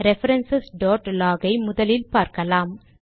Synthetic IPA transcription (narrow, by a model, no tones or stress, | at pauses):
ɾɛfɐɾɐnsɐsɖoːʈlaːɣɐɪmʊðɐlɪlpaːɾkɐlaːm